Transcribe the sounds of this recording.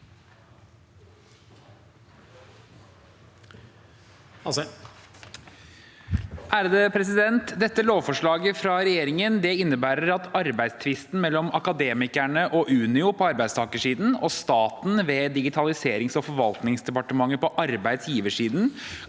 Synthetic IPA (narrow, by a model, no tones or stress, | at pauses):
ʔæːɾd̪eːpʰɾɛsɪd̪ɛnt̪d̪ɛt̪ːəloːʋfɔʂɭɑːɡəfɾɑɾɛjeːɾɪŋənd̪ɛɪnːəbæːɾəɾɑt̪ɑɾbæɪd̪st̪ʰʋɪst̪n̩mɛlːɔmɑkɑd̪eːmɪkæɳəʔɔʔʉːnɪʊpʰɔɑɾbæɪd̪st̪ɑːkəʂiːd̪n̩ɔst̪ɑːt̪nʋɛːd̪ɪɡɪt̪ʰɑlɪseːɾɪŋsɔfɔɾʋɑlt̪nɪŋsd̪ɛpɑʈəmɑŋːəpɔʔɑɾbæɪd̪sjiːʋəʂiːd̪n̩